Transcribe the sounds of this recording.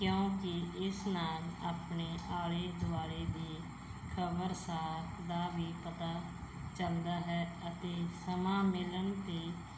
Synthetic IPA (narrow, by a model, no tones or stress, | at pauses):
kjõːkɪɪsnaːlaːpɳeːʔaːɽeːd̪ʊaːɾeːd̪eː | kʰəbəɾsaːkd̪aːʋiːpət̪aː | t͡ʃəld̪aːɦɛːət̪eːsəmãːmɪləɳt̪eː